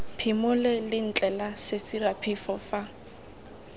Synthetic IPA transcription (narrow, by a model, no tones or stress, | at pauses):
pʰimʊlɛlɪn̩t͡ɬʼɛlasɪsirapʰɪfɔfa